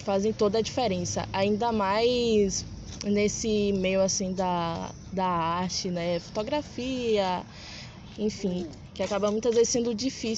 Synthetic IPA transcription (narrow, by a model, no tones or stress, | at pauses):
fazẽj̃t̪od̪ɐːd͡ʒifɛɾẽsɐ̰ʔaĩnd̪ɐmajs | nesɪmejʊasĩd̪ɐ | d̪ɐaɾt͡ʃɪnɛfo̥t̪oɡɾafiɐ | ẽfĩ | kɪakabɐmũj̃t̪ɐzvezɪsẽnd̪ʊd͡ʒifis